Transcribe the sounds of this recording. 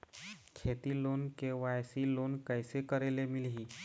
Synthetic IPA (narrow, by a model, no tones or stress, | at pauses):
kʰet̪ilonkeʋajsilonkəjsekəɾelemilɦiː